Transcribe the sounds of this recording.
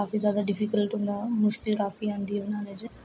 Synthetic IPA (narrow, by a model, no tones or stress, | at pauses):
aːfizjaːd̪aɖɪfikəlʈɦʊ̃ːnd̪amʊʃkɪlkaːfiãːnd̪iɦɛʊnãːned͡ʒ